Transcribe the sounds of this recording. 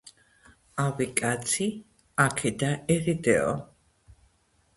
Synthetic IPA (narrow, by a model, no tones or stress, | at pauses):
avikʼat̪sʰi | akʰɛd̪aɛɾid̪ɛɔ̰